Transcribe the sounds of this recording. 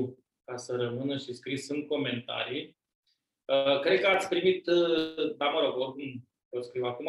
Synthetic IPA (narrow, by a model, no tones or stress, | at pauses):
kasəɾəmɨnəʃiskɾisɨnko̞me̞nt̪a̰ɾij | əkɾe̞d̪̚kəat̪sʲpɾimit̪əd̪aməɾokokum | pot̪skɾiwakum